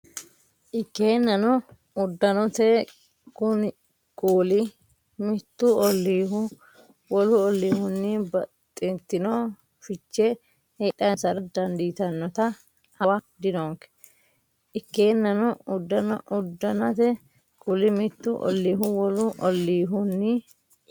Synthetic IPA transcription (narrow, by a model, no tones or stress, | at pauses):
ʔɪkːeːnːɐnɔ | ʊd̪ːɐnɔt̪ɛ | kʊn | kuːlɪ | mɪt̪ːʊɔlːiːɦʊ | wɔlʊɔlːiːhʊnːɪbɐt̪ʼːɪnt̪ːɪnoː | fɪt͡ʃːɛ | heːᶑɐnsɐɾɐd̪ɐnd̪iːt̪ɐnːɔt̪ɐ | hɐwɐd̪ɪnoŋkɛ̥ | ʔɪkːeːnːɐnɔʊd̪ːɐnɔ̰ʔʊd̪ːɐnɐt̪ɛ | kʊlɪmɪt̪ːʊʔɔ̰lːiːɦʊwɔlʊʔɔlːiːɦʊnːɪ